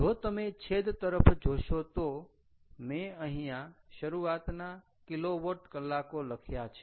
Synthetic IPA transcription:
d͡ʒot̪əmet͡ʃʰed̪t̪əɾəpʰd͡ʒoʃot̪o | mẽəɦĩjãʃəɾuat̪na | kɪloʋəʈkəlːakoləkʰjat͡ʃʰe̥

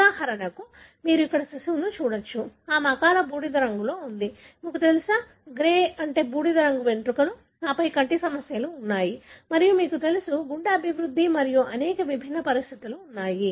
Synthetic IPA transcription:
aːhɐɾɐnɐku | miːɾuikːɐɽɐsisunut͡ʃuːɽɐt͡ʃːuaːmɐkaːlɐbuːɽid̪ɐɾɐŋɡulo̞ːund̪i | miːkut̪e̞lusaː | ɡɾeːɐɳʈe̞ːbuːɽid̪ɐɾɐŋɡuʋe̞ɳʈ̪ɾukɐlu | naːpɐjkɐɳʈisɐmɐsjɐluːnːaːjimɐɾijumiːkut̪e̞lusuɡuɳɖɐɐbʱiʋɾud̪ʱːimɐɾijuʔɐnɛːkɐʋibʱinːɐpɐɾist̪ʰit̪uluːnːaːji

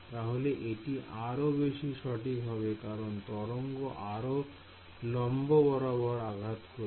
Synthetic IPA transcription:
t̪aɦoleʔeʈiʔaɾobeʃiʃɔʈikɦɔβekaɾont̪ɔɾoŋɡoʔaɾo | lɔmbobɔɾabɔɾaɡʱat̪ko

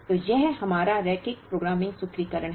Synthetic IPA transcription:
t̪ojɛɦhɐmaːɾaɾɛːkɪkpɾoːɡɾaːmɪ̃ŋɡsʊkʰɾikəɾəɽ̃ɦ

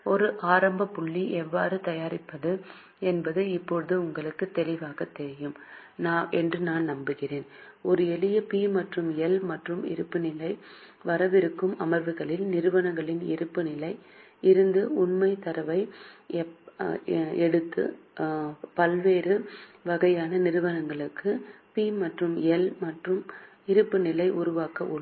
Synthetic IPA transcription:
ɔɾɯʔaːɾɐmbɐpʊɭːiʔɛʋːaːɾɯt̪ɐjaːɾɪpːɐðɯ | ɛnbɐðɯɪpːɔɻɯðɯʊŋɡɐɭɯkːɯt̪ːɛlɪʋaːɣɐt̪ːɛɾɪjɯm | naːʔɛndrɯnaːnnɐmbɯɣɪreːn | ɔɾɯɛlɪjɐpiːmɐʈrɯmɛlmɐʈrɯmɪ̰ɾɯpːɯnɪlɐɪ | ʋɐɾɐʋɪɾɯkːɯmɐmɐɾʋɯɣɐɭɪlnɪɾɯʋɐnɐŋɡɐɭɪnɪɾɯpːɯnɪlɐɪ | ɪɾɯnd̪ɯʊnmɐɪt̪ːɐɾɐʋɐɪ | ɛɽɯt̪ːɯ̰ | pɐlʋeːɾɯʋɐɣɐjaːnɐnɪɾɯʋɐnɐŋɡɐɭɯkʰːɯpiːmɐʈrɯmɛlmɐʈrɯm | ɪɾɯpːɯnɪlɐɪʔʊɾʊʋaːkɐʔʊɭ

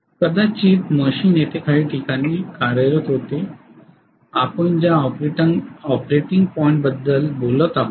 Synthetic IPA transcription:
kəd̪at͡ɕiːt̪məɕiːnjet̪ekʰaɭiːʈʰikañiːkaɽjəɾət̪ɦot̪e | apəɳd͡ʑja | ɔpɾeʈiŋɡ̚pɔiɳʈ̚bəd̪ːəlbolət̪a

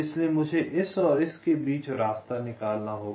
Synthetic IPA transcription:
ɪsliemʊd͡ʒʱeʔɪsɔːɾɪskebiːt͡ʃɾaːst̪anɪkaːlnaɦoː

